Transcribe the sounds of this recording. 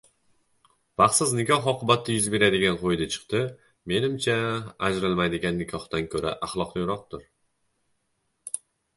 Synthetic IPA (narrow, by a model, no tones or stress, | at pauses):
baχsɪznɪkʲʰɒɦɒqʰɨbat̪ʰːajʊzbe̞ɾad̪ɪɡʲanqʰojd̪at͡ʃʰɨ̥qt̪ɪ | me̞nɪmt͡ʃʰaːd͡ʒɾɪlˠmajd̪ɪɡʲanːɪkʲʰɒht̪ankʰɵɾa̰ʔaχlˠɒqnɪjɾɒq̚t̪ʊɾ